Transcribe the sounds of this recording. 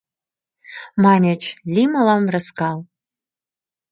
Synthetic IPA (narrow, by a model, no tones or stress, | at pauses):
mɑnʲət͡ʃlʲiməlɑmrəskɑlˠ